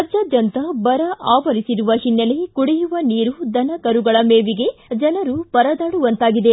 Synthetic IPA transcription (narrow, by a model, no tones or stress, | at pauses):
ɐd͡ʒɐd͡ʒɐnt̪ɐbɐɾɐʔaːʋɐɾisiɾuʋɐɦinːɐlekuɽijuʋɐniːɾud̪ɐnɐkɐɾuɡɐɭɐmeːʋiɡe̞d͡ʒɐnɐɾupɐɾɐd̪aːɽuʋɐnt̪aːɡid̪e